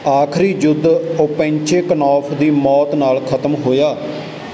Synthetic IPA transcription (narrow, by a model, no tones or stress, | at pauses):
aːkʰɾiːd͡ʒʊd̪opẽːɲt͡ʃeːkənɔːpʰd̪iːmɔːt̪naːlkʰət̪əmɦoːjaː